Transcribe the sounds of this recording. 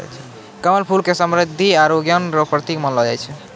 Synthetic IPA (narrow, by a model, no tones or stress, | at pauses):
t͡ʃʰɛ | kəməlpʰulkesəmɾid̪ʱːiaɾoɡjənɾɔpɾət̪ikmənlɔd͡ʒajt͡ʃʰɛ